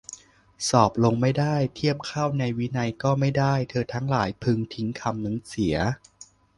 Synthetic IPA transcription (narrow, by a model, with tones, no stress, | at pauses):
sɔː˨˩p̚lo˧ŋma˥˩jdaː˥˩jt̪ʰi˥˩əp̚kʰaː˥˩wna˧jwi˦˥na˧jkɔː˥˩ma˥˩jdaː˥˩jt̪ʰɤː˧t̪ʰa˦˥ŋlaː˩˦jpʰɯ˧ŋt̪ʰi˦˥ŋkʰa˧mnɯ˧˦ŋsi˩˦ɐ